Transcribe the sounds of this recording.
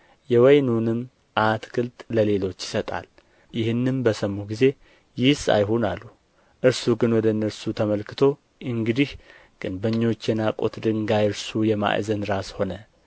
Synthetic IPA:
jɛwɔjnunɨmː | ʔat̪ɡɨlt̪ʼləle̞lo̞t͡ʃːjɪ̥sət̪ʼa̰l | jɪhɨnːɨmbəsəmːuɡize̞ | jɪhsa̰jɦonalːu | ʔɨɾsuɡɨnwɔd̪ənːəɾsut̪ʰəməlkʰɨt̪ʰo̞ | ʔɨŋɡɨd̪ih | ɡ̥ɨnbəɲːo̞t͡ʃːjɛnakʼo̰t̪d̪ɨŋɡajɨɾsujɛma̰ʔzənɾasho̞nə

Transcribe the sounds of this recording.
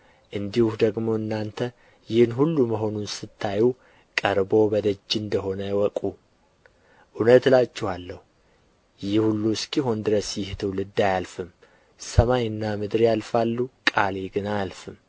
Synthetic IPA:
ʔɨnd̪ihuhd̪əɡmo̞ɨnːant̪ʰə | jɪhnɦulːuməɦo̞nunsɨt̪ʰːaju | kʼəɾbo̞bəd̪əd͡ʒːɨnd̪əɦo̞nəwɔkʼu | ʔunət̪lat͡ʃːɛhalːəhu | jɪhhulːuskʼijɦond̪ɨɾəsjɪht̪ʰɨwlɨd̪ːajalfɨm | səmajɨnːamɨd̪ɾjalfalːukʼaleɡɨnaalfɨm

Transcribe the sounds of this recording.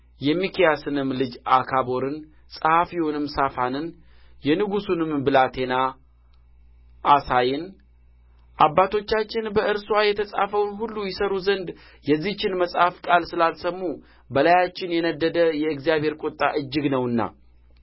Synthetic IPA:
jɛmːikʰijasɨnɨmːlɨd͡ʒakʰabo̞ɾɨn | sʼəhafiunɨmːsafanɨn | jɛnɨɡusunɨmbɨlat̪ʰe̞na | ʔasajɪn | ʔabːat̪ʰo̞t͡ʃːat͡ʃːɪnbəɨɾswajɛt̪ʰəsʼa̰fəwnɦulːujɪsəɾuzənd̪ | jɛzːiht͡ʃːɪnməsʼhafkʼalsɨlalsəmːu | bəlajat͡ʃːɪnjɛnəd̪ːəd̪əjɛɨɡzijaβhe̞ɾkʷʼot̪ʼːaʔɨd͡ʒːɨɡnəwɨnːa̰

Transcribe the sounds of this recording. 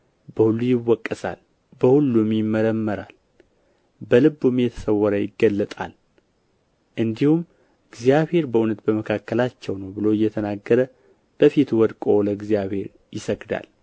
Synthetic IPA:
bəhulːujɪwːɔkʼːəsa̰l | bəhulːumjɪmːəɾəmːəɾal | bəlɨbːumjɛt̪ʰə̥səwːɔɾəjɪɡːəlːət̪ʼa̰l | ʔɨnd̪ihum | ɨɡzijaβhe̞ɾbəʔunət̪bəməkʰakːəlat͡ʃːɛwnəwbɨlo̞ɨjːɛt̪ʰənaɡːəɾə | b̥əfit̪wɔd̪kʼoləɨɡzijaβhe̞ɾ | jɪsəɡd̪a̰l

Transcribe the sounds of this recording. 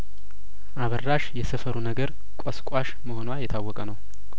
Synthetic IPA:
ʔaβərːaʃjɛsəfəɾunəɡəɾ | kʷʼɔskʷʼaʃməho̞nwajɛt̪ʰawːɔkʼənəw

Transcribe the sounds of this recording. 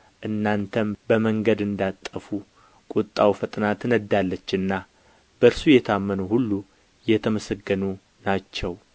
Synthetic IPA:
ʔɨnːant̪ʰəmbəməŋɡəd̪ɨnd̪at̪ʼːəfu | kʼut̪ʼːawfət̪ʼnat̪nəd̪ːalːət͡ʃːɨnːa | b̥əɨɾsujɛt̪ʰamːənuhulːu | jɛt̪ʰəməsəɡːənu | nat͡ʃːɛw

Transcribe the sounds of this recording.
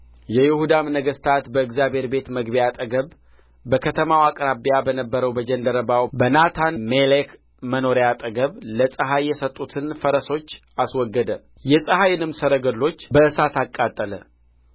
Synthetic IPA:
jɛjɪhud̪amnəɡəst̪ʰat̪bəɨkzjabʱe̞ɾbe̞t̪məɡbijat̪ʼəɡəβ | bəkʰət̪ʰəmawakʼɾabijabənəbːəɾəwbəd͡ʒənd̪əɾəbawbənat̪ʰanmelek | məno̞ɾejat̪ʼəɡəβləsʼəɦajːɛsət̪ʼːut̪ʰɨnfəɾəso̞t͡ʃː | aswɔɡːəd̪ə | jɛsʼəhajɪnɨmsəɾəɡəlːo̞t͡ʃːbəɨsat̪akʼːat̪ʼːələ

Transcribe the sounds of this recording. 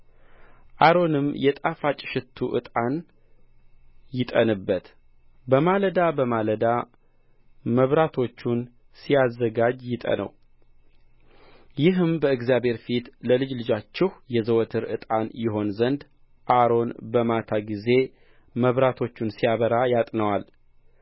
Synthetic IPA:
ʔaɾo̞nɨmjɛt̪ʼafat͡ʃʼɪ̥ʃɪt̪ʰːuʔɨ̰t̪ʼan | jɪt̪ʼənɨbːət̪ | bəmaləd̪abəmaləd̪a | məβɾat̪ʰo̞t͡ʃːun | sijazːəɡad͡ʒjɪt̪ʼə̰nə̰w | jɪɦɨmbəɨɡzjabhe̞ɾfit̪ləlɨd͡ʒlɨd͡ʒat͡ʃːɪhjɛzəwɔt̪ʰɨɾɨ̰t̪ʼanjɪɦo̞nzənd̪ | ʔaɾo̞nbəmat̪ʰaɡize̞ | məβɾat̪ʰo̞t͡ʃːunsijaβəɾajat̪ʼnəwal

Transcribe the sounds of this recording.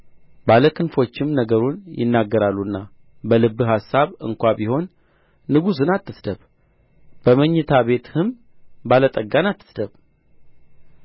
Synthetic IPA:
baləkʰɨnfo̞t͡ʃːɪmnəɡəɾunjɪ̰nːaɡːəɾalːunːa | bəlɨbːɨɦasːaβɨ̰ŋkʷabiho̞nː | ɨɡus̬ɨnat̪ːɨsd̪əβ | b̥əməɲːɛt̪ʰaβe̞t̪hɨm | balət̪ʼəɡːanat̪ːɨ̥sd̪əβ

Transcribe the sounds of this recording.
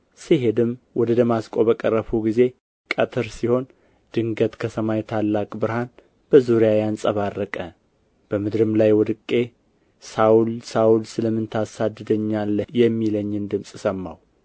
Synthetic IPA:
siɦed̪ɨmwɔd̪əd̪əmaskʼo̞bəkʼərːəfuɡize̞ | kʼət̪ʰɨɾsiho̞n | d̪̥ɨŋɡət̪kʰəsəmajt̪ʰalːakʼbɨɾhan | b̥əzuɾijajansʼəβarːəkʼə | b̥əmɨd̪ɾɨmlajwɔd̪ɨkʼːe̞ | sawlsawlsɨləmːɨnt̪ʰasad̪ːɨd̪əɲːalːəjɛmːiləɲːɨnd̪ɨmsʼsəmːa̰w

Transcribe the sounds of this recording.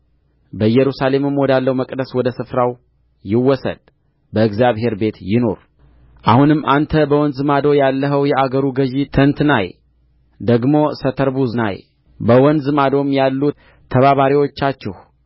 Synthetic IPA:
bəjɛɾusale̞mɨmwɔd̪alːəwməkʼd̪əswɔd̪əsɨfɾaw | jɪwːɔsə̰d̪̥ | bəɨɡzjaβhe̞ɾbe̞t̪jɪno̞ɾ | ʔahunɨmːʔant̪ʰəbəwɔnzɨmad̪o̞jalːəɦəwjɛʔaɡəɾuɡəʒit̪ʰənt̪naj | d̪əɡmo̞sət̪ʰəɾbuzna̰j | bəwɔnzɨmad̪o̞mjalːut̪ʰː | əβaβaɾiwo̞t͡ʃːat͡ʃːɛh

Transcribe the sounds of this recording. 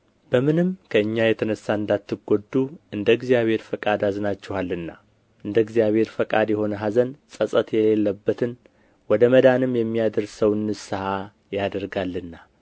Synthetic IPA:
b̥əmɨnɨmkʰəɨɲːajɛt̪ʰənəsːaɨnd̪at̪ːɨɡod̪ːuɨnd̪əɡzijaβhe̞ɾfəkʼad̪azɨnat͡ʃːɛhalːɨnːa̰ | ʔɨnd̪əɡzijaβhe̞ɾfəkʼad̪jɛho̞nəɦazənsʼəsʼət̪jɛlelːəbːət̪ʰɨn | wɔd̪əməd̪anɨmjɛmːijad̪əɾsəwɨnːɨsɨha | jad̪əɾɡalːɨnːa

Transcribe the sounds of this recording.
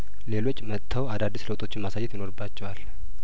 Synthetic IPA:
le̞lo̞t͡ʃʼːmət̪ʰːəwad̪ad̪ːisləwt̪ʼo̞t͡ʃːɪnmasajːɛt̪jino̞ɾɨbːat͡ʃːɛwal

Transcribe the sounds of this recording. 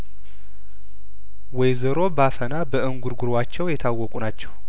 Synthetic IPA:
wɔjzəɾo̞bafənabəʔɨŋɡuɾɡuɾwat͡ʃːɛwjɛt̪ʰawːɔkʼunat͡ʃːɛw

